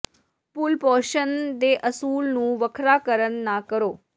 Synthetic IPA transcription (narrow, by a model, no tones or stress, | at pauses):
pʊlpɔːʃənd̪eʔəsuːlnũːʋəkʰɾaːkəɾənːãkəɾoː